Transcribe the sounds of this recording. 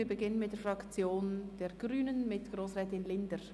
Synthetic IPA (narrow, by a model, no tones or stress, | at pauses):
iːbəɡɪnənmɪt̚d̥ɛːɐfʁɑkt͡sjoːnd̥eːɡ̥ɾyːnənmɪtɡ̥roːsʁɛːtɪnlɪndəɾ